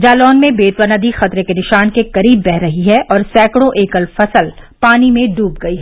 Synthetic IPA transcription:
d͡ʒaːlɔːnmẽbeːt̪wɐnad̪ixɐt̪ɾekenɪʃaːnkekɐɾiːbːɛɦɾɐɦiɦɛʔʔɔːɾsɛːkɽõʔeːkəlfɐsəlpaːnimẽɖuːp̚ɡɐiɦɛː

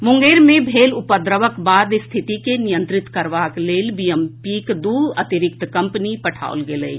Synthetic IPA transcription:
mʊ̃ŋɡeːɾmẽbʱeːlʊpəd̪ɾəʋəkbaːd̪ɪst̪ʰɪt̪ikenɪjə̃nt̪ɾɪt̪kəɾʋaːkleːlbiempikd̪uːət̪ɪɾɪk̚t̪kɐ̃mpənipəʈʰa̰ːo̰lɡeləḭ

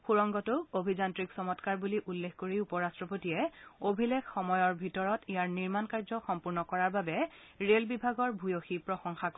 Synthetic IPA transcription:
xuɹɔŋɡɔtʊobʱizantɹiksɔmɔtkaɹbuliʔulːexkoɹiupɔɹastɹɔpotiɛobʱilexxɔmɔjɔɹbʱitɔɹɔtijaɹniɹmankaɹzɔxɔmpuɹnɔkɔɹaɹbabɛ | ɹelbibʱaɡɔɹbʱujoxipɹɔxɔŋxak

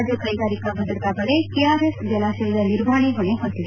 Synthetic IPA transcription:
d͡ʒɐkɐjɡaːɾikɐbɐd̪ɾɐt̪aɡɐɭekeaːɾesd͡ʒɐlaːʃɐlɐd̪ɐniɾʋaːɳeɦoɳeɦont̪ːid̪e

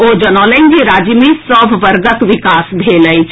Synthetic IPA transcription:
oːd͡ʒənɔːlə̃nd͡ʒeɾaːd͡ʒjəmẽsəbʱʋəɾɡək̪ʋɪkaːsbʱeːləit͡ʃ

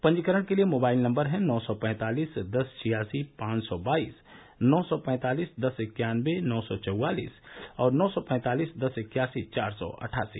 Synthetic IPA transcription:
pɐ̃ɲd͡ʒkəɾəɽ̃keliemoːbaːɪlnɐ̃mbəɾɦɛ̃nɔːsɔpɛ̃ːt̪aːliːsd̪ɐst͡ʃʰɪjaːsipãːt͡ʃsɔbaːiːs | nɔːsɔpɛ̃ːt̪aːliːsd̪ɐsɪkjaːnʋenɔːsɔt͡ʃɐwaːlḭːsɔːɾnɔːsɔpɛ̃ːt̪aːliːsd̪ɐsɪkjaːsit͡ʃaːɾsɔ̰ʔɐ̰ʈʰaːsḭː

